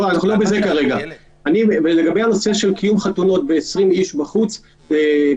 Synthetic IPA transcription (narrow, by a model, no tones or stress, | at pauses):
aanaχulo̞bezekaʁe̞ɡa | aniveleɡabe̞jhano̞se̞ʃe̞lkijumχatuno̞tbeːsʁimiʃbaχut͡s | ze